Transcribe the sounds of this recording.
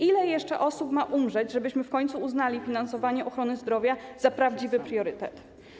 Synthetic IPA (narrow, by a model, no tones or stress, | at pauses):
ilɛjɛʂt͡ʂɛʔɔsupmaʔumʐɛd͡ʑʐɛbɘɕmɘfkɔɲt̪suuznalʲifʲinansɔvaɲɛʔɔxɾɔnɘzd̪ɾɔvʲjazapɾavd͡ʑivɘpɾjɔɾɘt̪ɛt̪